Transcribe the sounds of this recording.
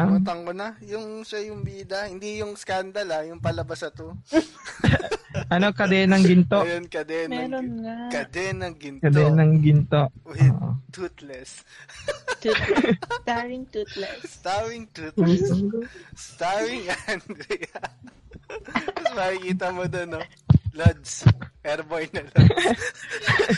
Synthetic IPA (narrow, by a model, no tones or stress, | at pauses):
t̪ɐŋkonɐjʊŋʃajʊŋbiːd̪ɐhɪnd̪ijʊŋskand̪ɐlajʊŋpɐlɐbɐsɐt̪o | ʔɐnokɐd̪ɛnɐŋɡɪnt̪ojonkɐd̪ɛnmɛːɾonŋakɐd̪ɛnɐŋɡɪnt̪kɐd̪ɛnɐŋɡɪnt̪oʔoːʔo̰t̪ut̪lɛs | st̪aɹɪŋt̪ut̪lɛsst̪awɪŋt̪ut̪u | st̪awɪŋɐnd̪ɾi | mɐɪkiːt̪ɐmod̪ono | lɐd̪sʔɛɾbojnɐl